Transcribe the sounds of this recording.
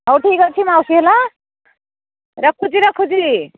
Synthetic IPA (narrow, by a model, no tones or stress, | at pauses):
ɦʌwʈʰikɡʌt͡sʰimawsiɦela | ɾʌkʰːud͡ziɾʌkʰːud͡zi